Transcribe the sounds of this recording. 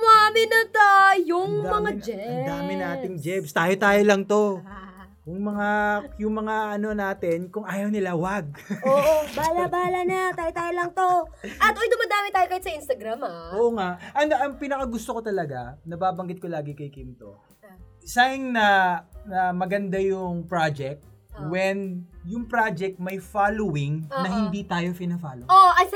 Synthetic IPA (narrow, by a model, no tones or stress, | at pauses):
mʊamɪnɐt̪ojʊŋmɐŋad͡ʒɛŋdd̪aːmɪnaːt̪ɪŋd͡ʒɛbst̪aːjot̪aːjolɐŋt̪o̞ | jʊŋmɐŋajʊŋmɐŋaʔɐno̞naːt̪ɛnkʊŋʔaːjɐwnɪlawaɡ̚ʔoːʔobaːlabaːlɐnɐt̪aːjot̪aːjolɐŋt̪oʔɐt̪ʔojd̪ʊmɐd̪aːmɪt̪aːjok̪ajɪt̪sɐʔinst̪ɐɡɾamaʔoːʔoŋaʔʔɐŋʔɐŋpɪnɐkɐɡʊst̪okot̪ɐlɐɡanɐbaːbɐŋɡɪt̪̚kolaːɡɪkɐjkɪmt̪o̰ | saŋnɐnɐmɐɡɐnd̪ajʊŋpɹad͡ʒɛk̚t̪̚ | wɛnjʊŋpɾad͡ʒɛk̚t̪̚mɐjfalowɪŋnɐɦɪnd̪it̪aːjo̞pɪnɐfalooʔɐ